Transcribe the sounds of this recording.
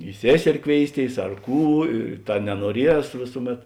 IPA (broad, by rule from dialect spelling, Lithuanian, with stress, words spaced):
ɪ ˈsʲeːsʲɛrʲɪ ˈkʋʲeːɪsʲˌtʲeːɪs ɐr ˈkuː ɪ ˈtɐ nʲɛnuɔˈrʲiɛs ˈʋʲeːsʊˌmʲɛt